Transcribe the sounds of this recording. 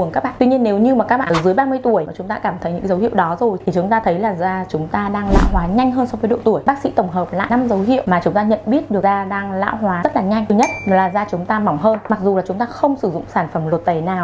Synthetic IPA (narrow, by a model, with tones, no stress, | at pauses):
u˨˩əŋkaː˦˥kɓ̰ːt̪wi˧ɲi˧ənːe˨˦wɲɨ˧maː˨˩kaː˦˥k̚ɓa̰ː˨˧˩zɨ˨˦jɓaː˧mɨ˧əjt̪u˧˩əjaː˨˩t͡ɕʊ˨˦ŋ͡mt̪aː˧kaː˧˩mt̪ʰə˨˦jɲɨ̰˧˥˧zə˨˦whḭ˧˨əwɗɔ˨˦zo˨˩jt̪ʰi˨˩t͡ɕʊ˨˦ŋ͡mt̪aː˧t̪ʰə˨˦jlaː˨˩zaː˧t͡ɕʊ˨˦ŋ͡mt̪aː˧ɗaː˧ŋla̰ː˧˥wɦwaː˨˦ɲa˧jŋ̟ɦəː˧nsɔ˧vəː˨˦jɗo̰˧˨t̪u˧˩əjɓaː˦˥k̚sḭ˧˥t̪ə˧˩wŋ͡mɦəː˨˩p̚la̰ː˧˨na˧mzə˨˦wɦḭ˧˨əwmaː˨˩t͡ɕʊ˨˦ŋ͡mt̪aː˧ɲə̰˧˨nɓi˦˥ət̚ɗɨ˨˩k̚zaː˧ɗaː˧ŋla̰ː˧˥wɦwaː˨˦zə˦˥t̚laː˨˩ɲa˧jŋ̟ɨ˨˩ɲə˦˥t̚laː˨˩zaː˧t͡ɕʊ˨˦ŋ͡mt̪aː˧ma˨˦wŋ͡mɦəː˧nma˨˩k̚zu˨˩laː˨˩t͡ɕʊ˨˦ŋ͡mt̪aː˧xə˧wŋ͡msɨ˧˩zʊ̰˧˨ŋ͡msaː˧˩nfə˧˩mlo˨˩t̚t̪ə˨˩jnaː˨˩w